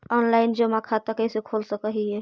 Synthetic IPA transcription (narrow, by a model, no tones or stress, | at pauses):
ɔːnlaːɪnd͡ʒomãkʰat̪akɛsekʰoːlsəkəɦiɦɛː